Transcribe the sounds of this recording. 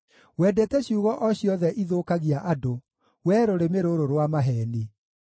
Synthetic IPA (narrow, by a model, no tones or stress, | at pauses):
wɛdetɛɕuːɣɔʔɔɕjɔðɛʔiðoːkaɣiaʔado | wɛːɾoɾemeɾoɾoɾwamaɦɛni